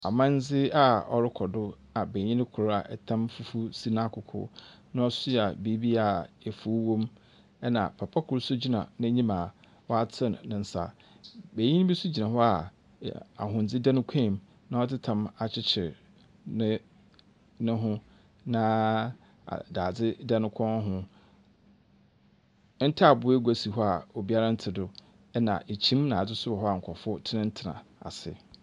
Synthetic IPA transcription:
a̰˨mã˦n˦d͡zɪ˦a˨ɔ̰˨ɾɪ˦kʰɔ˨dʊ˦ | a˨be˨ɲĩ˦nɪ̃˦kʰʊ˨ɾa˨ʔɛ˨tʰã˦mfu˦fu˦si˦nã˦˨kʰʊ˨kʰʊ̰˦nã˦ɔ˦sʊ˦˨a˨bi˨˦bi˦a˨ɛ˨fu˦wõ˦m | ɛ˦nã˨pʰa˨pʰa˦kʰʊ˨ɾsʊ˦d͡ʑi˦nã̰˨nã˦ɲĩ˦ma˨ | wɔ˦a˦tʰɪ˦n˨nɪ̃˨n̩˦sa̰˨ | be˨ɲĩ˦n˦bi˦su˦d͡ʑi˨nã˨ɦɔ˦a˨ | a̰˨ɦʊ̃˨n̩˨d͡zɪ˦da˦nʊ̃˦kʷʰɛ̃˦˨m | nã˦ɔ˦tʰɪ˦tʰã˨ma˨t͡ɕʰɪ˦t͡ɕʰɪ˨ɾ | nɪ̃˦ | nʊ̃˦ɦʊ̃˦ | nã˦ | a̰˨daː˨d͡zɪ˦dɛ˦nʊ̃˦kʷʰɔ̃˦ɦʊ̃˦ | n̩˦tʰa˦˨bʊ˨˦e˦ɡʷa˨si˨ɦɔ˦a˨ɔ˨bi˦a˦ɾa˦n̩˦tʰɪ˨dʊ˨ | ɛ˦nã̰˨ʔe˨t͡ɕʰĩ˦mnã˨d͡zɪ˦sʊ˦ba˨ɦɔ˦a˨ŋ̩˨kʷʰɔ˨fʊ˦tʰɪ˦nɪ̃˦n̩˦tʰɪ˨nã̰˨a̰˨sɪ̰˨

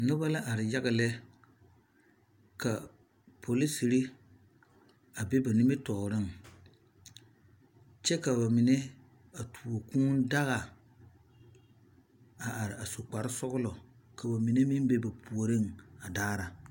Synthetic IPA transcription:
nʊ˦ba˦la˦ʔa˨ɾɪ˨ja˦ɣɪ˨lɛ˦ | ka˨ | pʰo˨li˦si˨ɾi˦ | a˨be˦ba˨nɪ˦mɪ˦tɔ˨ɾɪ˦ŋ˨ | t͡ʃɛ˦ka˨ba˨mi˨ne˦ | a˨tʰu˨o˨kũː˦n˦da˦ɣa˨ | a˨ʔa˨ɾɪ˨a˨so˨k͡pa˨ɾɪ˦sɔ˦ɡʊ˦lɔ˨ | ka˨ba˨mi˨ne˦mɪ˦m˦be˦ba˨pʰu˨o˨ɾɪ˦ŋ˨a˨daː˦ɾa˨

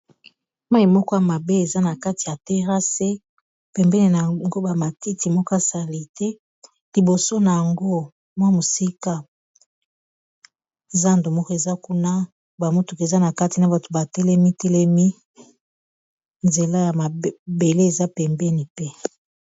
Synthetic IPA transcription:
ma˦i˨mɔ˦kɔ˦ja˨ma˨be˦e˨za˦na˨ka˦ti˨ja˨te˦ʁa˦se˦ | pɛ˨mbɛ˦ni˨na˨ŋɡo˦ba˨ma˨ti˦ti˨mɔ˦kɔ˦a˦sa˨li˨tɛ˦ | li˨bo˨so˦na˨ja˨ŋɡo˦ | mwa˦mo˨si˦ka˦ | za˦ndo˨mɔ˦kɔ˦e˨za˦ku˦na˦ | ba˨mo˦tu˨kza˦na˨ka˦ti˨na˨ba˨to̥˨ba˨tɛ˦lɛ˦mi˦tɛ˦lɛ˦mi˦ | nze˨la˦ja˨ma˨be˨le˦e˨za˦pɛ˨mbɛ˦ni˨pɛ˦

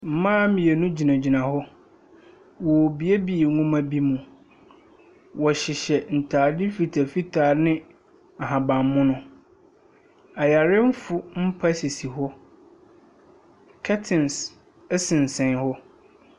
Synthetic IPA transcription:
m̩˨mãː˦mĩ˨e˨nũ˦d͡ʑi˨nã˨d͡ʑi˨nã˨hɔ˦ | wɔ˨bi˨e˦bi˨˦˨ŋũ˦mã˦bi˦mũ˨ | wɔ˨ɕɪ˨ɕɛ˨n̩˨tʰaː˨dɪ˦fi˨tʰa˨fi˦tʰaː˨nɪ̃˦ | a˨ɦã˨bã˨mː˦ʊ̃˦nʊ̃˦ | a˨ja˨ɾɪ˦m̩˦fʊ˦m̩˦pʰa˦si˨si˨ɦɔ˦ | kʰa˦tʰɪ̃˨ns | ɛ˦sɪ̃˨n̩˨sɛ̃˨˦hɔ˦

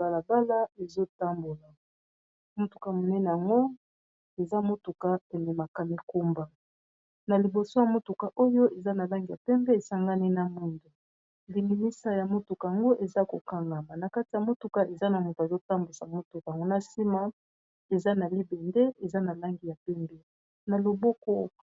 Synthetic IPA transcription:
ba˨la˨ba˦la˦e˨zo˦ta˦mbo˨la˨ | mo˦tu˨ka˨mo˨nɛ˦ne˨a˨ŋɡo˦ | e˨za˦mo˦tu˨ka˦pɛ˨nɛ˨ma˨ka˨mi˨ko˦mba˨ | na˨li˨bo˨so˦ja˨mo˦tu˨ka˨ʔo˦jo˦ʔe˨za˦na˨la˦ŋɡi˨ja˨pɛ˦mbɛ˦e˨sa˦ŋɡa˦ni˦na˨mu˦ndu˨ | li˨ŋi˨mi˦sa˦ja˨mo˦tu˨ka˨a˨ŋɡo˦ʔe˨za˦ko˨ka˦ŋɡa˨ma˨na˨ka˦ti˨ja˨mo˦tu˨ka˨ʔe˨za˦na˨mo˨tzo˦ta˦mbu˨sa˨mo˦tu˨ka˨a˨ŋɡo˦na˦si˦ma˦ | e˨za˦na˨li˦bɛ˨nde˦ʔe˨za˦na˨la˦ŋɡi˨ja˨pɛ˦mbɛ˦ | na˨lo˨bo˦ko˦

